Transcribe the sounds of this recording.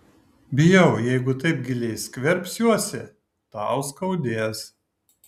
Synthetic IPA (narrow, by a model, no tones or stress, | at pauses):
bʲɪjɛʊjɛɪɡʊt̪ɐɪp̚ɡʲɪlʲɛɪskʲʋʲɛɾʲpʲsjuɔsʲɪ | t̪ɑˑʊskɐʊd̪ʲeːs